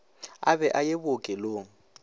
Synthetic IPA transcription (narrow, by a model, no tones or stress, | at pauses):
abɛʔajebʊkʼɛloŋ̩